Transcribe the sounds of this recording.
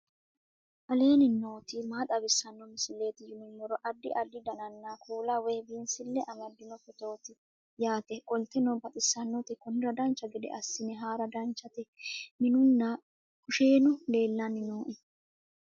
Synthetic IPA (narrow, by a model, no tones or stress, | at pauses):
ʔɐle̞ːnɪnoːt̪ɪmaːt̪ʼɐbɪsːɐnːɔmɪsɪlːe̞ːt̪ɪjɪnʊmːɔɾɔʔɐd̪ːɪ̰ʔɐd̪ːɪd̪ɐnɐnːakʰuːlɐweːbiːnsɪlːɛʔɐmɐd̪ːɪnɔfɛt̪oːt̪ɪ | jaːt̪ɛkʼɔlt̪ːɛnɔbɐt̪ʼɪsːɐnːɔt̪ɪkɔnɪɾɐd̪ɐnt͡ʃːɐɡɛd̪ɛ̰ʔɐsːɪnɛɦaːɾɐd̪ɐnt͡ʃːɐt̪ɛmɪnʊnːɐ | kʊʃeːnʊle̞ːlːɐnɪnoːʔɛ